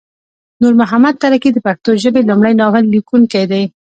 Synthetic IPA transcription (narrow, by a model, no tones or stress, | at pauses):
nuɾmʊɦamad̪̚t̪aɾakid̪əpaxt̪oʒəbelumɽajnɑwɪlːikuŋkajd̪aj